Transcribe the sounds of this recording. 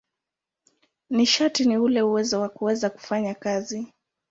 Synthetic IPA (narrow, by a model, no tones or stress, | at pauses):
niʃatiniulɛuwɛzɔwakuwɛzaku̥faɲakazi